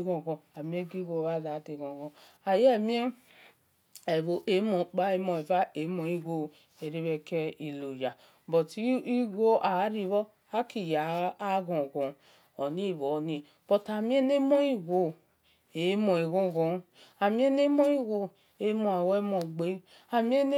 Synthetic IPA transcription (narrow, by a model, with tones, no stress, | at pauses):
ɡõ˨ɡɔ̃˨a˨mi˦e˦ɡi˦ɡo˧˨a˦˨za˨˦te˨ɡõ˨ɡɔ̃˨ | a˨je˦˨mĩ˦e˦ | e˨βo˨ʔe˨˦mõ˨k͡pa˦e˦mo˧˨e˨va˦e˨˦mo˧˨i˦ɡo˨ | e˨ɾi˦βe˧kɛ˦i˨lo˨ja˨ | bɔ˨ti˨˦i˦ɡo˦ʔa˨˦ɾi˦βɔ˦ | a˦ki˨jaː˨˦ɣõ˨ɡõ˨ | o˨ni˦˨βo˨ni˨ | b̥o˨ta˨mi˦e˦ne˦mo˦i˦ɡo˨ | e˨˦mo˨e˨ɣõ˦˨ɣõ˨ | a˨mi˦e˦ne˦mo˦i˦ɡo˨ | e˨˦mo˨e˨we˦mo˨ɡ͡be˦ | a˨mi˦e˦n˦